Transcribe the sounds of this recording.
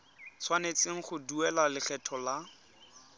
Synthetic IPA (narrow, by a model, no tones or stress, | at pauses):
t͡sʰwanet͡sɪŋ̩χʊduɛlalɪɬʰɛtʰɔla